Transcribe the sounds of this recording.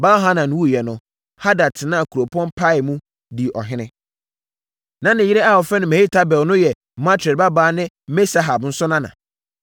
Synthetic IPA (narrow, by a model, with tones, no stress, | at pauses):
baː˦ɦa˦nã˨˦wu˦˨jɛ˨nʊ̃˨ | ha˦da˨tʰɪ˨nã˦a˨kʰu˨ɾo˨pʰɔ̃˦npʰa˦ɪ˨mũ˦ | di˨ʔɔ̰˨ɦɪ̃˦nɪ̃˦ | nã˨nɪ̃˨jɪ˦ɾɛ˦a˦˨wɔ˨fɛ˦nʊ̃˨mɛ˨hi˦tʰa˦bɛ˨lnʊ̃˦jɛ˨ | mã˦tʰɛ˨ba˦baː˨˦nɪ̃˦ | me˦sa˨˦ɦa˨bn̩˦sʊ˦nã˦nã̰˨